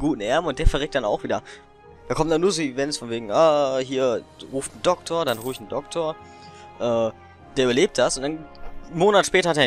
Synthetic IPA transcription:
ɡuːtn̩ʔɛɐbm̩ʊnt̚d̥eːɐfɛɐʁɛːk̚td̥ana̰ʊxv̥iːdɐ | d̥aːkʰɔmtndanuːɐzoːivɛnsfɔnveːɡŋ̩ʔaːɦiːɐʁuːftn̩dɔk̚tʰoːɐdanʁuːfɪçn̩dɔk̚tʰoːɐ | ʔɛː | d̥eːɐybɐleːp̚t̚d̥asʊntd̥anmoːnatʃpɛːtɐhateː

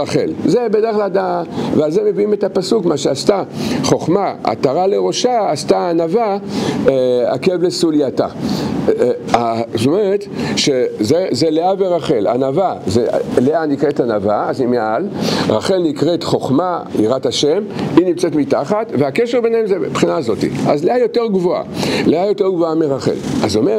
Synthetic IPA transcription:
aχḛlzebedeʁeχlaldavealzemeviimetapasukmaʃeast̪aχo̞χmaa̰taʁaleʁo̞ʃaːstaːnava | a̰kevlesuliata̰ | at̪omeʁetʃezezeleaveʁaχela̰navazeleanikʁetanavaaznimealʁa̰χe̞lnikʁetχo̞χmaḭʁataʃeminimt͡setmitaχatveakeʃeʁbenhemzepχinaːzo̞tḭʔazleajo̞teʁɡvoa̰leajo̞teʁɡvoameʁaχḛla̰zome

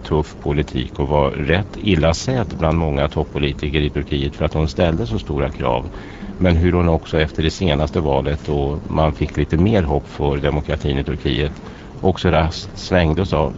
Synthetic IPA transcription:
t̪ʰɵfpʰʊlɪt̪ʰḭːkɔvaɾɛt̪ʰːɪlːasɛt̪bland̪mɔŋːat̪ʰɔpʰːʊliːt̪ɪkəɾɪt̪ʰɵɾkʰiːət̪fœɾat̪hʊnst̪ɛld̪əsɔst̪uːɾakʰɾɑ̰ːv | mɛnɦɵɾhʊnɔksɔɛft̪əɖɛseːnast̪əvɑːlət̪ɔmanfɪkːliːt̪əmeːɾɦɔpːfœɾd̪ɛmʊkʰɾat̪ʰiːnɪt̪ʰɵɾkʰḭːət̪ | ʔɔksɔɾast̪svɛŋd̪əɔsɑ̰ː

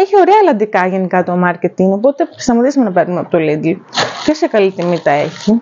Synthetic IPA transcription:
eçio̞ɾeɐːlɐnd̪ikɐʝe̞nikɐt̪o̞mɐɾcet̪iŋo̞po̞t̪ei̥st̪ɐmɐt̪isimenɐpeɾnumeɐpot̪olid̪lcesekɐlit̪imit̪ɐeçi

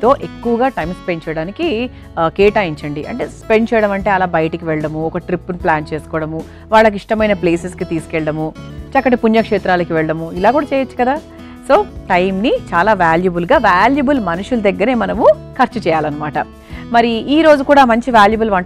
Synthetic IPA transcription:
t̪o̞ːʔe̞kːuʋɐɡaːʈɐjmspe̞ɳɖt͡ʃɛːjɐɽaːniki | kɛːʈaːiɲt͡ʃɐɳɖiʔɐ̰ɳʈe̞ːspe̞ɳɖt͡ʃɛːjɐɽɐmɐɳʈeːɐlaːbɐjɐʈɐkiʋɛɭɐɽɐmuɔkɐʈɾipːniplaːnt͡ʃeːsu̥kɔːɽɐmu | ʋaːɭːɐk̬iʂʈɐmɐjnɐpleːseskit̪iːskɛɭɐɽɐmut͡ʃɐkːɐʈipuɲjɐkʂeːt̪ɾaːlɐkiʋɛɭɐɽɐmuilaːkuːɽaːt͡ʃɛːjɐt͡ʃːu̥kɐd̪aː | so̞ːʈɐjmnit͡ʃaːlaːʋaːljubulɡaːʋaːljubɐlmɐnuʂulɐd̪ɐɡːɐɾe̞ːmɐnɐmukʰɐɾt͡ʃut͡ʃɛːjaːlɐnːɐmaːʈɐ | mɐɾiiːɾo̞ːd͡ʒukuːɽaːmɐɲt͡ʃiʋaːljubɐlʋɐɳ

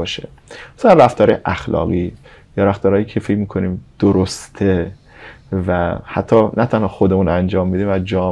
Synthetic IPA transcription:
ɒːʃḛ | mḁsælænræft̪ɒːɾɒjeʔæxlɒ̰ːɣi | jɒːɾæft̪ɒːɾɒːjiːcʰe̞fecmiːkʰoniːmd̪̥oɾost̪ʰe | væhæt̪ʰːɒːnʔæt̪ʰænhɒːxod̪emunænd͡ʒɒːmːid̪iːmæd͡ʒɒː

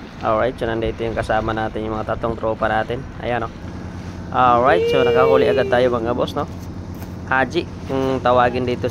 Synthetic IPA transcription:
ʔolɹajt̪̚sonɐnd̪ɐʔɪt̪ojʊŋkɐsaːmɐnaːt̪ɪnjʊŋmɐŋat̪ɐt̪loŋt̪ɾoːpɐnaːt̪ɪnʔɐ̰jɐno | ʔolɹajt̪̚sonɐkɐhuːlɪʔɐɡad̪̚t̪aːjomɐɡɐbosno | haːd͡ʒɪʔkʊŋt̪ɐwaːɡɪnd̪iːt̪o

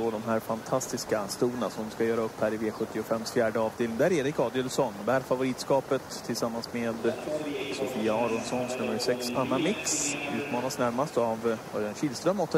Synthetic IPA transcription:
ɔd̪ɔmɦæːɾfant̪ʰast̪ɪskast̪uːɾənasɔmskajœːɾaɵpʰːæɾɪveːɧɵt̪ːɪʊfɛmːsfjæːɖəɑːvd̪eːlɪŋd̪æːɾɛɾɪkɑːd̪ɪɛlsɔnbæːɾfavʊɾiːt̪skɑːpət̪ʰːɪlsamːansmeːd̪sʊfiːaɑːɾɔnsɔnsnɵmːəɾsɛksanːamɪksʉ̟ːt̪mɑːnasnæɾmast̪avœɾɛnɕiːlst̪ɾœmːɔt̪ʰː

